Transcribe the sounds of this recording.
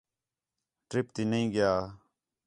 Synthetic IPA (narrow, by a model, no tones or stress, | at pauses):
ʈɾɪpt̪iːnəĩːɡɪjaː